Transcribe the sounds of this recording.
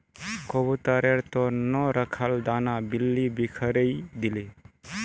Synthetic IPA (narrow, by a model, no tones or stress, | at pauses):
kɔbut̪aɾeɾt̪ɔnɔɾəkʰald̪anabilːibikʰəɾəjd̪ile